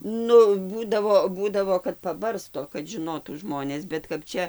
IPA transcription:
ˈnʊ ˈbuːdɐʋoː ˈbuːdɐʋoː kɐt pɐˈbɐrstoː kɐt ʒʲɪˈnoːtuː ˈʒmoːnʲeːs bʲɛt kɐp ˈt͡ʃʲɛ

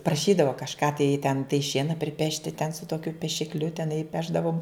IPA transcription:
prɐˈʃʲiːdɐʋoː kɐʃˈkɑː tɐɪ tʲɛn tɐɪ ˈʃʲiɛnɐ pʲrʲɪˈpʲæːʃʲtʲɪ tʲɛn sʊ toːkʲʊ pʲɛʃʲɪkˈlʲʊ tʲɛˈnɐɪ ˈpʲæːʒdɐʋoːm

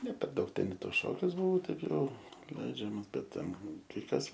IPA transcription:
nʲɛ pʲɛr ˈdɐʊk ˈtʲɛn ɪ ˈtoːs ˈʃoːkʲʊs bʊˈʋɐʊ ˈtɐɪ ˈjɛʊ ˈlʲɛɪd͡ʒʲɛmɐs ˈbʲɛt ˈtʲɛn kɐɪ ˈkɐs

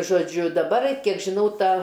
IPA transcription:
ʒoːˈd͡ʒʲʊ dɐˈbɐr ˈkʲiɛk ʒʲɪˈnɐʊ ˈtɐ

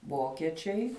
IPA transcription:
ˈʋoːkʲiɛt͡ʃʲɛɪ

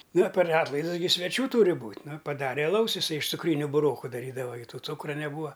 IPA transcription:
ˈnɐ pʲɛr ˈɑːtlˠɐɪdʊs sʲʋʲɛˈt͡ʃʲuː ˈtuːrʲɪ ˈbuːtʲ ˈnʊ pɐˈdɑːrʲɛ ɐˈlˠɐʊs ɪˈsɐɪ ɪʃ t͡sʊˈkrʲiːnʲʊ bʊˈroːkʊ dɐˈrʲiːdɐʋɐ ɡʲɪ ˈtuː ˈt͡suːkrɐ nʲɛˈbuːʋɐ

